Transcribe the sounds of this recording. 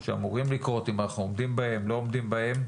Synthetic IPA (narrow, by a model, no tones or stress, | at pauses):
ʃea̰muʁimlikʁo̞t̪imanaχnuomd̪imbahe̞mlo̞omd̪imbahe̞m